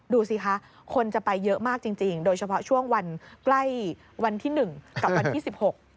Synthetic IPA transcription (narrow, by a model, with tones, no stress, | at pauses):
duː˧si˧kʰa˦˥ʔ | kʰo˧nt͡ɕa˨˩pa˧jːɤ˦˥ʔmaː˥˩k̚t͡ɕi˧ŋt͡ɕi˧ŋdoː˧jt͡ɕʰa˧pʰɔ˦˥t͡ɕʰu˥˩əŋwa˧nkla˥˩j | wa˧nt̪ʰiː˥˩nɯ˨˩ŋka˨˩p̚wa˧nt̪ʰiː˥˩si˨˩p̚ho˨˩k̚